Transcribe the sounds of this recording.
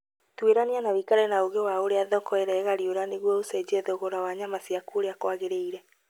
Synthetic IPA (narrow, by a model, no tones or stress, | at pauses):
tweɾanianawikaɾɛnaoɣewaoɾeaðɔkɔeɾɛːɣaɾioɾaneɣwɔosed͡ʑeðoɣoɾawaɲamasiakuoɾeakwaɣeɾeiɾɛ